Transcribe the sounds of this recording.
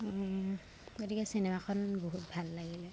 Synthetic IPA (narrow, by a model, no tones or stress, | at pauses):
ɡotikɛsinemakʰɔnboɦutbʱalːaɡilɛ